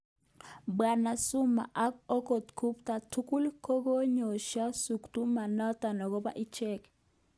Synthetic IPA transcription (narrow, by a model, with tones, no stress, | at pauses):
ba˨na˨sʊ˦ma̰˨ʔa˦ko˦ko˨t̪kʰu˦pta˨tu˦ku˦lkʰo˦ɡo˦ɲo˨ʃa˦su˨kt̪u˦ma˨nɔ˦t̪a˨nɔ˨ɡɔ˦ba̰˦ʔi˦t͡ʃɛ˦k